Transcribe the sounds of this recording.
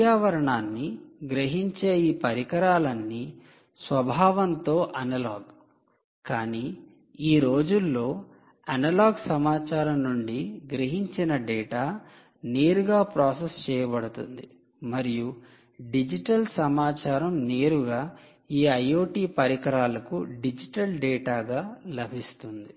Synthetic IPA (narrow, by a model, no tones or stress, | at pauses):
aːʋɐɾɐɳaːnːiɡɾɐɦiɲt͡ʃeːjiːpɐɾikɐɾaːlɐnːi | sʋɐbʱaːʋɐnt̪o̞ːʔɐnɐlaːɡ | kaːniː | iːɾo̞ːd͡ʒulːo̞ː | ɐnɐlaːɡsɐmaːt͡ʃaːɾɐmnuɳɖiɡɾɐɦiɲt͡ʃinɐɖɛːʈaː | ne̞ːɾuɡaːpɾaːsɐst͡ʃɛːjɐbɐɽut̪ṵnd̪i | mɐɾiju | ɖid͡ʒiʈɐlsɐmaːt͡ʃaːɾɐmneːɾuɡaː | iːɐjo̞ːʈiːpɐɾikɐɾaːlɐkuɖid͡ʒiʈɐlɖɛːʈaːɡaːlɐbʱist̪und̪i